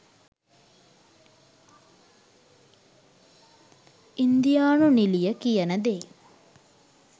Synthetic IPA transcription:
ind̪ijaːnunilijəkijɐnɐd̪eː

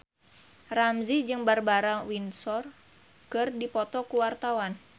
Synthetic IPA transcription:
ramzid͡ʒɨŋbarbaɾawinsɔr | kɨrdipɔt̪ɔkuwart̪awan

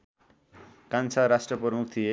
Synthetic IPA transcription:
kant͡sʰaɾasʈrʌpʌmuk̚t̪ʰie

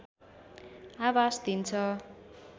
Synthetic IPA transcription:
awasd̪int͡sʰʌ

